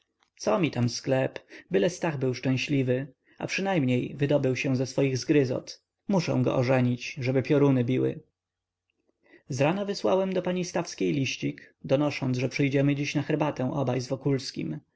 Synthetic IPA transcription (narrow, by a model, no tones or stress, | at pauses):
t̪sɔmʲit̪amsklɛpbɘlɛst̪aɣbɘwʂt͡ʂɛ̃ɕlʲivɘ | a̰pʂɘnajmɲejvɘd̪ɔbɘwɕɛ̃zɛsfɔjiɣzɡɾɘzɔ̰t̪ | muʂɛ̰̃w̃ɡɔ̰ʔɔʐɛɲit͡ɕʐɛbɘpʲjɔɾunɘbʲiwɘ̰ | zɾanɔvɘswawɛmd̪ɔpaɲist̪afskʲejlʲiɕt͡ɕik | d̪ɔnɔʂɔnd̪zʐɛpʂɘjd͡ʑɛmɘd͡ʑiɕnaxɛɾbat̪ɛ̃w̃ʔɔbajzvɔkulskʲḭm